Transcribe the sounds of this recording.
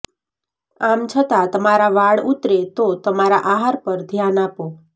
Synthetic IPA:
amt͡ʃʰət̪at̪əmaɾaʋaɭut̪ɾet̪ot̪əmaɾaʔaɦaɾpəɾd̪ʱjanapo

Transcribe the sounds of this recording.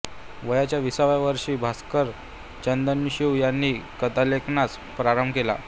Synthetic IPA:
ʋəjat͡ɕjaʋisaʋjaʋəɾʂiːbʱaskəɾ | t͡ɕənd̪ənːɕiwjanːiːkəd̪aleknat͡s | pɾaɾəmbkela̰

